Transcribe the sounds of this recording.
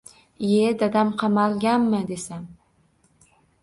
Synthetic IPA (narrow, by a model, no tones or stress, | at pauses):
jed̪ad̪amqʰɑmalˠɡʲanmɪd̪esam